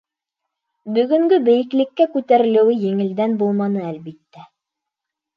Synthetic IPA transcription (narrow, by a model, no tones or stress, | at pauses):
bɵ̆ɡɵ̆ŋɡɵbɘ̆jɘ̆klɘ̆kːækʉt̪æɾɘ̆lɘ̆wɘjɘ̆ŋɘ̆ld̪ænbulˠmɑnɤælbit̪ːæ